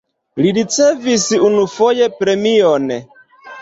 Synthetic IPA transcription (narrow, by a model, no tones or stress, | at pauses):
liɾit͡sevisiunufojepɾemiɔne